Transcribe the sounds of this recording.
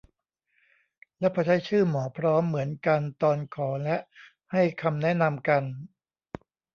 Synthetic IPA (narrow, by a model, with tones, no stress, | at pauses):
lɛ˦˥pʰɔː˧˩t͡ɕʰa˦˥jt͡ɕʰɯː˥˩mɔː˩˦pʰɾɔː˦˥mːɯ˩˦ənka˧nt̪ɔː˧nkʰɔː˩˦lɛ˦˥ʔ | ha˥˩jkʰa˧mnɛ˦˥ʔna˧mka˧n